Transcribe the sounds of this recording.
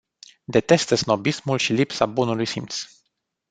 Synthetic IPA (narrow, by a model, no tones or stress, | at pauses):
d̪e̞t̪e̞st̪esno̞bismulʃilipsabunulujsimt̪s